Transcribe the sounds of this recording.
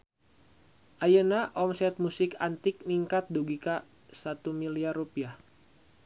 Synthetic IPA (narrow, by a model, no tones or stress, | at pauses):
ʔajənaʔɔmsɛt̪̚musɪkant̪ɪk̚niŋkat̪̚duɡika | sat̪umiliarupiah